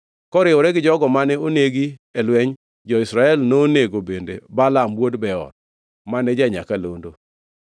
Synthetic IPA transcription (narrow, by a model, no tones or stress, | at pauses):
kɔɾɪwoɾɛɡɪd͡ʒɔɡɔmanɛoneɡiɛlwɛɲ | d͡ʒɔɪsɾaɛlnoːneɡobendḛbalamwodbɛɔ̰d̚ | manɛd͡ʒaɲakalondo